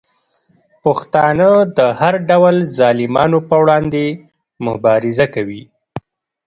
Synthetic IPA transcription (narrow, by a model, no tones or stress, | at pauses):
pəxt̪ɑnəd̪əhaɾɖawlzɑlɪmɑnopəwɽɑnd̪e | mʊbɑɾɪzakawi